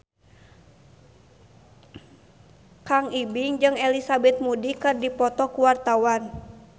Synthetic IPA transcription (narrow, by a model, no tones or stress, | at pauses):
kaŋibiŋd͡ʒɨŋɛlisabɛt̪̚mudikɨrdipɔt̪ɔkuwart̪awan